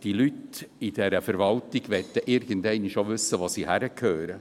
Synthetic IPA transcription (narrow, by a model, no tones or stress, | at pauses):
d̥ilytid̥ɛɾəfɛɾʋɑltɪɡ̥ʋɛt̪ːəʔɪɾɡ̥ənd̪ɛɪnɪʃoʋʏsːəʋɑsihæɾəkʰhøːɾə